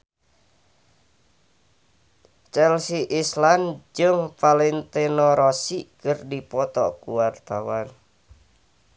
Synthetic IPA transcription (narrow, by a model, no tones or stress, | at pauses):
t͡ʃɛlsiʔisland͡ʒɨŋpalint̪enɔɾɔsikərdipɔt̪ɔ̰kuwart̪awan